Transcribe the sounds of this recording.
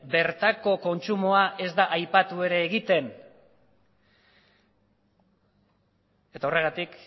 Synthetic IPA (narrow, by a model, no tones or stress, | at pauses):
be̞ɾt̪ako̞ko̞nt͡ʃumoaʔe̞zd̪aʔajpat̪ue̞ɾe̞ːɣit̪e̞n | e̞t̪aore̞ɣ̞at̪ik